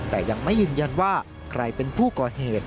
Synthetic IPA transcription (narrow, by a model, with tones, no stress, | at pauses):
t̪ɛː˨˩ja˧ŋma˥˩jːɯː˧nja˧nwaː˥˩ | kʰɾa˧jpe˧npʰuː˥˩kɔː˨˩heː˨˩t̪̚